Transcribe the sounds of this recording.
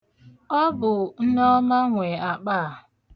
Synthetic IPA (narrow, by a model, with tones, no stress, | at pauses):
ɔ˦bʊ˨n̩˦nɔ˦ma˦ŋʷe˨a˨k͡paː˦˨